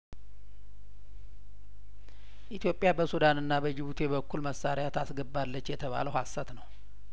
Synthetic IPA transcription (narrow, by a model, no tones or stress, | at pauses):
ʔit̪ʰjo̞pʼɪjabəsud̪anɨnːabəd͡ʒɪβut̪ʰebəkʰːulməsaɾɪjat̪ʰasɡəbːalːət͡ʃːjɛt̪ʰəβa̰ləwhasːat̪nəw